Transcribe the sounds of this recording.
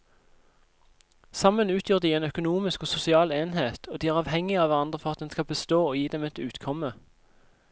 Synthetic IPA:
sɑmənʉːt̪ʰjuːʁd̪iːeːnœkʊnuːmɪskoːsʊsɪɑːleːnheːt̪ʰoːd̪iːæːʁɑːʋhɛŋɪɑːʋæʁɑnd̪ʁəfɔʁɑt̪̚d̪ɛnskɑbəst̪oːoːjiːd̪ɛmɛt̪ʉːt̪kʰɔmə

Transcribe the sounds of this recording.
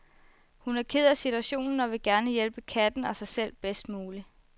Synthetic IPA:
hunæɐkʰeð̞ˠæsit͡sʰuæɕo̝̰ːnn̩ɒ̽ʋe̝ɡ̥æɐnəjelb̥əkʰæd̥n̩ɒ̽sɑ̈ɪsel̰b̥esd̥muːli

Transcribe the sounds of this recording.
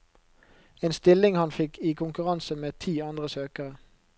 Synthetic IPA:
eːnst̪ɪlɪŋhɑnfɪkʰiːkʰʊŋkʉʁɑnsəmeːt̪ʰiːɑnd̪ʁəsøːkəʁə

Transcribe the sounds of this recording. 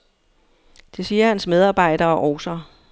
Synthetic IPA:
d̥e̝siːɐhænsmeð̞ˠɑ̈ːb̥ɑ̈ɪ̰d̥ɐːɒʔɒːsɐ

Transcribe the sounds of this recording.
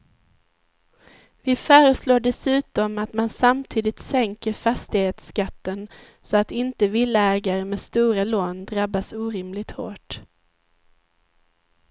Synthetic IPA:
vɪfœːɾəsloːɖɛsʉ̟ːt̪ɔmat̪mansamt̪ʰiːd̪ɪt̪sɛŋkəɾfast̪ɪheːt̪skat̪ːən | sɔat̪ɪnt̪əvɪlːaɛːɡaɾəmeːst̪uːɾaloːnd̪ɾabːasuːɾɪmlɪt̪ho̰ːʈ

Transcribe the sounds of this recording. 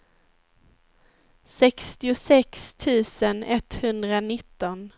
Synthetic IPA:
sɛkst̪ɪʊsɛkst̪ʰʉ̟ːsənɛt̪hɵnd̪ɾanɪt̪ːɔn

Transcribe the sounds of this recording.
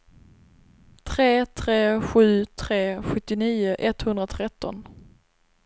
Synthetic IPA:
t̪ʰɾeːt̪ʰɾeːɧʉ̟ːt̪ʰɾeːɧɵt̪ːɪniːʊʔɛt̪hɵnd̪ɾat̪ʰɾɛt̪ːɔ̰n

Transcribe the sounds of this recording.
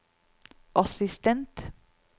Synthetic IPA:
ʔɑsɪst̪ɛnt̪

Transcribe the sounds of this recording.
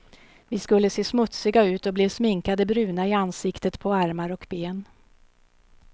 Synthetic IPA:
vɪskɵlːəseːsmɵt̪sɪɡaʉ̟ːt̪ɔblɛsmɪŋkad̪əbɾʉ̟ːnaɪansɪkt̪ət̪pʰɔaɾmaɾɔkbeːn

